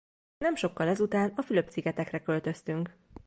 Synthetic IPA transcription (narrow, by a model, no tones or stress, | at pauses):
nɛmʃo̞kːɒlɛzut̪aːnɒfylø̞p̚tsiɡɛt̪ɛkrɛkø̞lt̪ø̞st̪yŋk